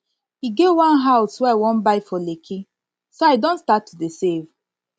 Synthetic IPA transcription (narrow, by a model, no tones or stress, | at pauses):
hiɡevwãnɦaʊswɛawɔ̃nbaɪfɔlekʰi | soaɪdɔ̃nstatʰːudesev